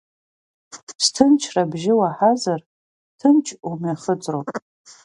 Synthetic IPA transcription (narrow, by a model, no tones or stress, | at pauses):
stʰɨnt͡ʃʰrabʒɪwaħazar | tʰɨnt͡ʃʰumaχət͡sʼrowpʼ